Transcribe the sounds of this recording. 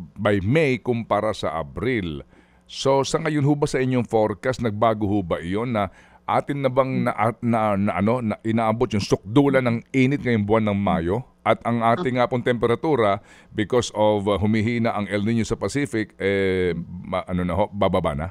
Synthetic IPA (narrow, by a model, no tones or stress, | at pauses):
bajmɛjkʊŋpaːɾɐsɐ̰ʔɐ̰bɾil | so̞sɐŋɐjonɦʊbɐsɐʔɪɲːoŋfo̞ɾkɐsnɐɡ̚baːɡohʊbɐʔɪjo̞nːɐ | ʔa̰ːt̪ɪnːɐbɐŋnɐʔnɐnɐʔɐno̞nɐʔɪnaːʔɐbot̪̚jʊŋsʊk̚d̪uːlɐnɐŋʔiːnɪt̪̚ŋɐjoŋbʊanːɐŋma̰ːjo̞ʔɐt̪ʔɐŋʔaːt̪ɪŋːapʊŋt̪ɛmpɛɾɐt̪uːɾɐ | bɪko̞sovɦʊmɪɦiːnɐʔɐŋʔɛlnɪɲosɐpɐsifɪkʔɛ | ʔɐnonɐɦo̞ʔbababa̰nɐ